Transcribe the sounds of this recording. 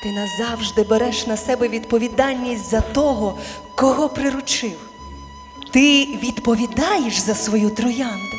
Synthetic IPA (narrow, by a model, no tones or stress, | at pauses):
t̪ɪnɐzɑwʒd̪ɪbeɾɛʃnɐsɛbɛʋʲid̪pɔʋʲid̪ɑlʲnʲːisʲtʲzɐt̪ɔɦɔ | kɔɦɔpɾɪɾʊt͡ʃɪw | t̪ɪʋʲid̪pɔʋʲid̪ɑjeʃzɐsʋɔjut̪ɾʊjɑnd̪ʊ